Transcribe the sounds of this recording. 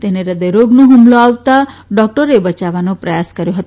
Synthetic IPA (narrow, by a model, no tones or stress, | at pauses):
t̪eneɾəd̪əjɾoɡnoɦumloawt̪aɖɔk̚ʈəɾebət͡ʃaʋanopɾəjaskəɾjoɦət̪